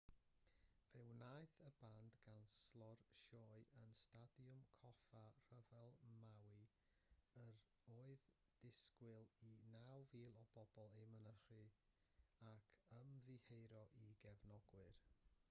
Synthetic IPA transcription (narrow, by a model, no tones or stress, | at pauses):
v̥ɛwnajθəbandɡanslˠɔrʃɔːɨʔənstadjʊmkʰɔfar̥əvɛlˠmawɨ | əɾ | oːɨð | d̥ɪskwɪlˠinawviːlˠɔb̥ɔb̥ɔlˠejmənəχɨ | akʰəmðɨhejɾɔʔiɡɛvnɔɡwɨr